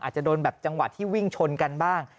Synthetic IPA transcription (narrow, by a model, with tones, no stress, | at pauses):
ʔa̰ː˨˩t̪̚t͡ɕa˨˩doː˧nbɛː˨˩p̚t͡ɕa˧ŋwa˨˩t̪ʰːiː˥˩wi˥˩ŋt͡ɕʰo˧nka˧nbaː˥˩ŋ